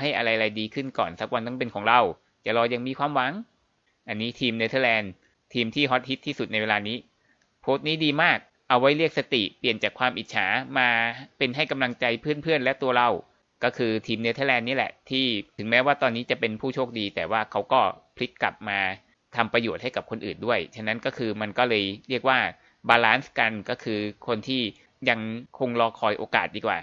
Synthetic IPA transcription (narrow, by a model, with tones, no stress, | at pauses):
ha˥˩jʔa˧ɾa˧jɾa˧jdiː˧kʰɯ˥˩nkɔː˨˩nsa˨˩k̚wa˧nt̪a˥˩pe˧nkʰɔː˩˦ŋɾa˧˩w | t͡ɕa̰˨˩ʔlɔː˧ja˧ŋmiː˧kʰwaː˧mwa˨˦ŋ | ʔa˧nːiː˦˥t̪ʰiː˧mne˧˥t̪ʰa˧lɛː˧n | t̪ʰiː˧mt̪ʰiː˥˩ɦɔ˦˥t̪̚hi˦˥t̪ʰːiː˥˩su˨˩t̪̚na˧jweː˧aː˧niː˦˥ | pʰoː˦˥t̪̚niː˦˥diː˧maː˥˩k̚ | ʔa˧wːa˦˥jɾi˥˩ək̚sa˧t̪i˨˩pli˨˩ənt͡ɕaː˨˩kʰwaː˧mʔi˨t̪̚t͡ɕʰaː˩˦maː˧pe˧nɦa˥˩jka˧mla˧ŋt͡ɕa˧jpʰɯ˥˩ənpʰɯ˥˩ənlɛ˦˥t̪u˧ɐɾa˧w | kɔː˥˩kʰɯː˧t̪ʰiː˧mni˧˥t̪ʰa˦˥˩lɛː˧nːi˦˥lɛ̰˨˩ʔt̪ʰiː˥˩ɯ˩˦ŋmɛː˦˥waː˥˩t̪ɔː˧nːiː˦˥t͡ɕa˨˩pe˧npʰuː˥˩t͡ɕʰoː˥˩k̚diː˧t̪ɛː˨˩waː˥˩kʰa˦˥wkɔː˥˩pʰli˦˥kːla˨˩p̚maː˧ | t̪ʰa˧mpɾa˧joː˨˩t̪̚ha˥˩jka˨˩p̚kʰo˧nʔɯː˨˩ndu˥˩əjt͡ɕʰa˦˧˥na˦˥nkɔː˥˩kʰɯː˧ma˧nkɔː˥˩lɤː˧jɾi˥˩ək̚waː˥˩ | baː˧laː˦˥nska˧nkɔː˥˩kʰɯː˧kʰo˧nt̪ʰiː˥˩ | ja˧ŋkʰo˧ŋlɔː˧kʰɔː˧jʔoː˧kaː˨˩t̪̚diː˧kwa̰ː˨˩